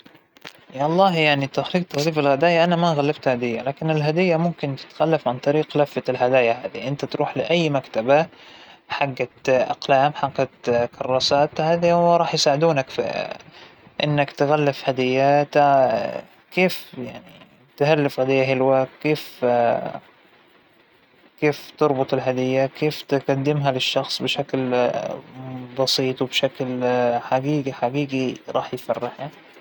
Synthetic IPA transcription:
ɑlˤːɑːɦjaʕnit̪axliːɡ̚t̪aɣliːfɪlɣad̪aːjaʔanamaɣalːabt̪had̪ɪjːalaːkɪnɪlɦad̪ɪjːamʊmkɪnt̪ɪ̥t̪xalːafʕant̪ˤɑɾiːqlafːaɪlɦad̪aːjaɦaːðiʔɪnt̪at̪ɾuːħlɪʔajːmakt̪aba | ħaɡːaʔɑ̰qlaːmħaɡːat̪kɑrˤːɑːsaːt̪haːðiwɾˤɑːħjsaːʕɪd̪uːnakf | ʔɪnːakt̪ɣalːɪfhad̪ɪjːat̪ | keːfjaʕni | t̪halːafɣad̪ɪjːaɦɪlwakeːf | keːft̪ɑɾˤbʊt̪ˤɪlɦad̪ɪjːakeːft̪ɪɡad̪ːɪmɦalɪʃːɑxsˤbɪʃakl | bɑsiːt̪ˤwbʃaklħaɡiːɡiħaɡiːɡiɾˤɑːħjfarːɪħa

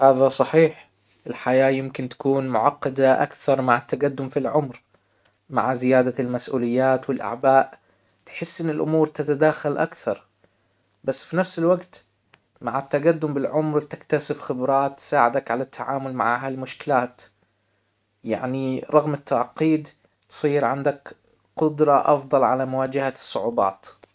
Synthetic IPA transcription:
haːðasˤɑħiːħ | ʔɪlħajaːjɪmkɪnt̪ḁkuːnmʊʕɑqːɑd̪aʔa̰kθɑɾˤmaʕat̪ːaɡad̪ːʊmfilʕʊmɾ | ma̰ʕzɪjaːd̪almasʔṵːlɪjːaːt̪wɪlʔa̰ʕbaːʔ | t̪ħɪsːʔɪnːɪlʔʊ̰muːɾt̪at̪ad̪aːxalʔakθɑɾˤ | basːfinafsɪlwaɡt̪ | maʕat̪ːaɡad̪ːʊmbɪlʕʊmɾwt̪ɪ̥kt̪asɪbxɪbɾˤɑːt̪ːsaːʕɪd̪akʕalat̪ːaʕaːmʊlma̰ʕaːɦalmʊʃkɪlaːt̪ | ja̰ʕniɾˤɑɣmɪt̪ːaʕqiːd̪ | t̪sˤiːɾʕɪnd̪ak | qʊd̪ɾˤɑʔɑfd̪ˤɑlʕalamʊwaːd͡ʒɪhasˤːʊʕuːbɑ̰ːt̪

